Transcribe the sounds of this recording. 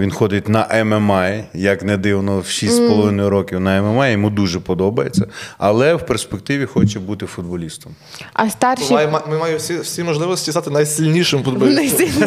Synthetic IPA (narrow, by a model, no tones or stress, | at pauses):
ʋʲinxɔd̪ɪt̚ʲnɐʔɛmɛmajjɐknɛd̪ɪwnɔwʃisʲtʲsʲpɔlˠɔʋɪnɔjʊɾɔkʲiwnɐɛmɛmɛjjimud̪uʒɛpɔd̪ɔbɐjet͡sʲːɐɐlˠɛwperspek̚t̪ɪʋʲixɔt͡ʃɛbut̪ɪfʊd̪̚bɔlʲist̪ɔm | ɐst̪ɑrʃijmmɪmɑjʊsʲiwsʲimɔʒlˠɪʋɔsʲtʲizat̪ɪnɐjsʲilʲnʲiʃɪmfʊd̪̚bɔlʲinɐjsʲi